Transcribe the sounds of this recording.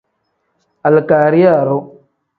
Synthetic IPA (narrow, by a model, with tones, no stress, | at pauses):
a˨lkaː˨ɾi˦a˦˨ɾo˦